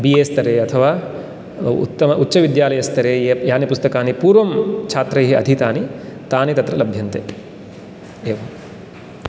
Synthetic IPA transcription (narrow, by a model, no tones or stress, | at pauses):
bijeːst̪ʰɐɾeːɐt̪ʰɐʋaː | ṵt̪ːɐmɐʔutːʃɐʋid̪jaːlɐjɐst̪ʰɐɾeːejaːnipust̪ɐkaːnipuːɾʋɐmt͡ʃʰaːt̪ɾɐjɦiɐ̰d̪ʱit̪aːnit̪aːnit̪ɐt̪ɾɐlɐbʱjɐnt̪ḛː | eːʋɐm